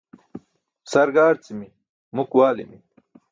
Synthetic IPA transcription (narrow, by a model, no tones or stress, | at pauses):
sɐɾɡaːɾt͡simi | mukwaːlḭmi